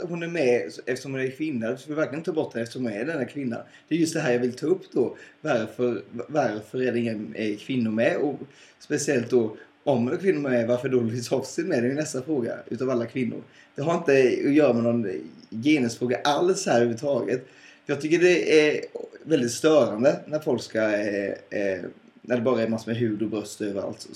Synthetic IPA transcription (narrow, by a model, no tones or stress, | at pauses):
hʊnæɾmɛsɛft̪ə̥ʂɔmhʊnæɾkʰvɪnːaskvɔlvæɾklɪənɪɑːbɔʈːd̪ɛnːɛft̪əʂɔmhnɛd̪ɛnːakʰvɪnːa̰ | d̪̥ɛːɾjɵst̪d̪ɛɦæːɾjɑːvɪlt̪ʰɑːɵpːd̪ɔvaɾfœɾvaɾfœɾæɖɛɪŋːənɛɾkʰvɪnːʊɾmɛɔ | spɛsɪɛlt̪̚d̪ɔ | ɔmhʊnɛkʰvɪnːʊɾmɛɾmɛvaɾfəɖolɪsɔfsɪnmɛd̪ɛɪnɛst̪afɾoːɡa̰ʉ̟ːt̪avalːakʰvɪnːʊ̰ɾ | d̪̥ɛɦaɾɪnt̪əɔjœːɾamɛnɔnjeːnəsfɾoːɡaʔalshæːɾhʉːvːət̪ʰɑːɡət̪ | jɑːɡt̪ʰʏkːəɖɛæɾvɛld̪ɪt̪st̪œːɾand̪ənæɾfɔlkska | næɖɛbɑːɾaɛɾmasɔmɛɦʉ̟ːd̪ɔbɾœst̪øːvəɾa̰lt̪sɔ